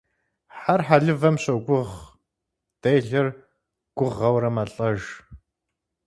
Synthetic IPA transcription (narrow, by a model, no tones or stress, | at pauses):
ħarħaɮɨvɐmɕoɡʷʊʁ | d̥ejɮɐr | ɡ̥ʷʊʁːɐwɾɐmaɬʼɐʒ